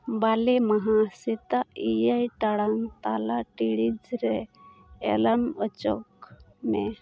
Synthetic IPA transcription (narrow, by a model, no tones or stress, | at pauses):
balemaɦasit̪aijajʈaɽaŋt̪alaʈiɽid͡zɾe | ḛlamət͡ʃɔ̰kme